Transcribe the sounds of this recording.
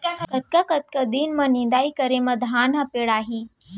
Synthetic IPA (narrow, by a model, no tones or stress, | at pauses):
kaɦkət̪̚kakət̪̚kəd̪iːnmənind̪aikəɾeməd̪ʱanəpeɽaɦi